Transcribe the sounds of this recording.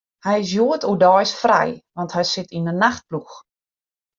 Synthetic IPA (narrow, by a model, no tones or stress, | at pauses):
hɛjɪs̬juətuədɔjsfrɛ̰jʋɑnthɛjsɪtʰinənaxt̚plux